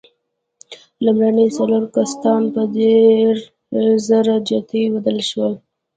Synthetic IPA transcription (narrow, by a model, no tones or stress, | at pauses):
lumɾanəjsaloɾkast̪ɑnpəd̪eɾ | zəɾad͡ʒɑt̪iwad̪əlʃwəl